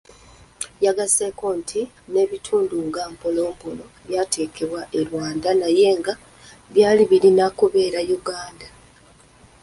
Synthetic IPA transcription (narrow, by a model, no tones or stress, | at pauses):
jaɡase̞ko̞ːntʰi | ne̞βitʰuːnduŋɡampolo̞ːmpolo̞ | βjaːte̞ke̞βwaʔeɾwaːndanaje̞ːŋɡa | βjaːliβiɾinakuβe̞ːɾajuɡaːnda